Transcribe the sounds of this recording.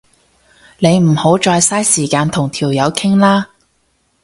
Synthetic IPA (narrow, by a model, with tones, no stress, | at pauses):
ne˨˧jm̩˨˩ho˨˥wt͡ʃɔː˧jsaː˥jsiː˨˩kaː˧nt̪ʰʊ˨˩ŋt̪ʰiː˨˩wjɐ˨˧wkʰɪ˥ŋlaː˥